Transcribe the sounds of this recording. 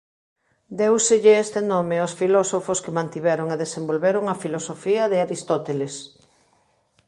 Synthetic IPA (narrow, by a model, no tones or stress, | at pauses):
d̪ewsɪʎɪest̪enomeosfilɔsofoskemãnt̪iβɛɾoŋeðesembolβeɾoŋɐfilosofiɐðɪaɾist̪ot̪eles